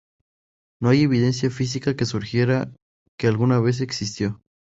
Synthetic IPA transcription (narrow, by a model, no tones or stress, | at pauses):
no̞aje̞β̞ið̞e̞nsjafis̬ikake̞suɾxje̞ɾa | ke̞alɣunaβe̞s̬e̞ksist̪jo̞